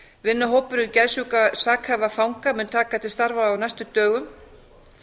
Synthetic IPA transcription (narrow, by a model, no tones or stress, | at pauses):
vɪnːaɦoːwpʏɾʏncɛðsukasaːkhaːvafawŋkamɛnt̪ʰaːkat̪ʰɪlst̪aɾvaːwnajst̪ʏt̪œːɣʏm